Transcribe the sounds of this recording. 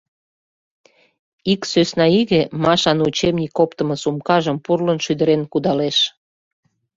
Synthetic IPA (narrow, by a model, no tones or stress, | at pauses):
iksøsnɑiɣĕmɑʃɑnut͡ɕemnʲikːopt̪ə̆mɤ̆sumkɑʒəmpurlənʃyd̪əɾenkud̪ɑleʃ